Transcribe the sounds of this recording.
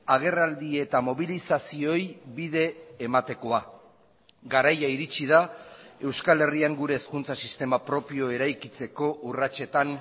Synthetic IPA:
aɣ̞e̞rald̪ie̞t̪amo̞βilisasio̞jβiðe̞ːmat̪e̞ko̞a | ɡaɾajaiɾit͡siðae̞wskale̞riaŋɡuɾe̞ːskunt͡sasist̪e̞mapɾo̞pio̞e̞ɾajkit͡se̞ko̞ʔurat͡ʃe̞t̪an

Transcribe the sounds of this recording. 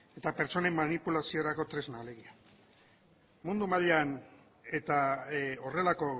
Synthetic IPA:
e̞t̪ape̞ɾt͡so̞ne̞mːanipulasio̞ɾako̞t̪ɾe̞znale̞ɣia | mund̪umaʎan | e̞t̪ao̞re̞lako̞

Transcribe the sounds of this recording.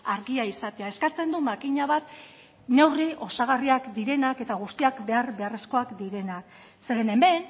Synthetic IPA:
aɾɣiaisat̪e̞ae̞skat͡se̞nd̪umakiɲaβat̪ | ne̞wriʔo̞saɣ̞ariakd̪iɾe̞nake̞t̪aɣ̞ust̪iakbe̞aɾbe̞are̞sko̞akd̪iɾe̞nak | se̞ɾene̞mbe̞n

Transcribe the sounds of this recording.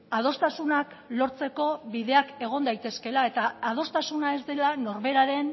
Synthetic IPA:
að̞o̞st̪asunak | lo̞ɾt͡se̞ko̞βiðe̞ake̞ɣ̞o̞nd̪ajt̪e̞ske̞lae̞t̪aːð̞o̞st̪asunae̞zd̪e̞lano̞ɾβe̞ɾaɾe̞n

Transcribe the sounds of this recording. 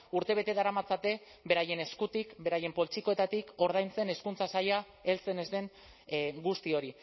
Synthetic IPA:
uɾt̪e̞β̞e̞t̪eðaɾamat͡sat̪e̞ | be̞ɾaje̞ne̞skut̪ikbe̞ɾaje̞mpo̞lt͡ʃiko̞e̞t̪at̪iko̞ɾð̞ajnt͡se̞ne̞skunt͡sasaja | e̞lt͡se̞ne̞zd̪eŋ | ɡust̪io̞ɾi

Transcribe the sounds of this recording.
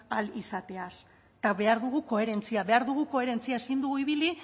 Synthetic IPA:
alisat̪e̞as | t̪aβe̞aɾðuɣuko̞e̞ɾe̞nt͡siaβe̞aɾðuɣ̞uko̞e̞ɾe̞nt͡siaesind̪uɣuiβ̞ili

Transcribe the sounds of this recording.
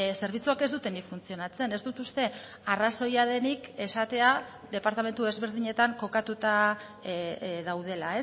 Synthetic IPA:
se̞ɾβ̞it͡suake̞zðut̪e̞nifunt͡sio̞nat͡se̞ne̞zd̪ut̪ust̪e̞ | araso̞jað̞e̞nike̞sat̪e̞a | ðe̞paɾt̪ame̞nt̪ue̞zβe̞ɾð̞iɲe̞t̪aŋko̞kat̪ut̪a | ðawð̞e̞lae̞

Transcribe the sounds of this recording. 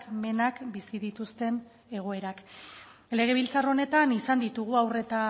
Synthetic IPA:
kme̞nakbisiðit̪ust̪e̞n | e̞ɣ̞o̞e̞ɾak | le̞ɣ̞e̞β̞ilt͡saro̞ne̞t̪anisand̪it̪uɣ̞uawre̞t̪a

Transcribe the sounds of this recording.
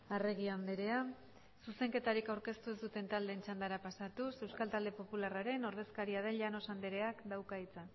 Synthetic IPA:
are̞ɣiand̪eɾe̞a | suse̞ŋke̞t̪aɾikawɾke̞st̪uezd̪ut̪e̞nt̪ald̪e̞ːnt͡ʃand̪aɾapasat̪use̞wskalt̪ald̪e̞po̞pularaɾe̞no̞ɾðe̞skaɾiað̞e̞nʎano̞sand̪eɾe̞akd̪awkait͡sa

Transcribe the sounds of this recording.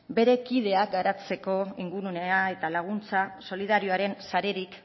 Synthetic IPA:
be̞ɾe̞kiðe̞ak̚ɡaɾat͡se̞ko̞iŋɡuɾune̞ae̞t̪alaɣ̞unt͡saso̞liðaɾioaɾe̞nsaɾe̞ɾik

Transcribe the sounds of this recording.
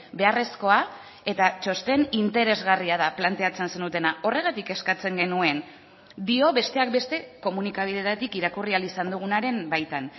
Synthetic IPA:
be̞are̞sko̞a | e̞t̪at͡ʃo̞st̪e̞nint̪e̞ɾe̞zɣariaðaplant̪e̞at͡se̞nse̞nut̪e̞naʔo̞re̞ɣ̞at̪ike̞skat͡se̞ŋɡe̞nue̞n | d̪io̞βe̞st̪e̞ak̚be̞st̪e̞ko̞munikaβ̞iðe̞t̪at̪ikiɾakurialisand̪uɣ̞unaɾe̞mbajt̪an

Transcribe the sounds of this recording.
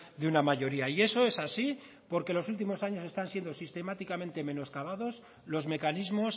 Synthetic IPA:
ðeunamaʝo̞ɾiaie̞so̞e̞sasi | po̞ɾke̞lo̞sult̪̬imo̞saɲo̞se̞st̪ansje̞nd̪o̞sist̪e̞mat̪ikamẽnt̪e̞me̞no̞skaβaðo̞s | lo̞zme̞kanizmo̞s

